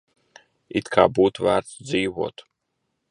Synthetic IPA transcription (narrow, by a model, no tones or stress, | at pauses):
it̪kʰa̰ːbuːt̪væ̰ːɾt̪ziːvo̰ːt̪